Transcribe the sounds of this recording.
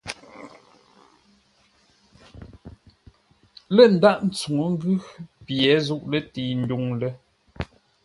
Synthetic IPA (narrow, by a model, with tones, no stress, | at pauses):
lə˦˨n̩˨da˦ʔn̩˨˦t͡su˨ŋə˨˦ŋ̩˦ɡʉ˦pjɛ˨˦zu˦ʔlə˦ti˨n̩˦du˨ŋlə˦